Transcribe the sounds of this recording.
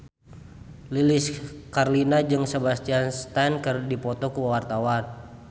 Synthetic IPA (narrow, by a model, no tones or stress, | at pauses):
lilɪskarlinad͡ʒɨŋsəbast̪ianst̪ɛnkərdipɔt̪ɔkuwawart̪awan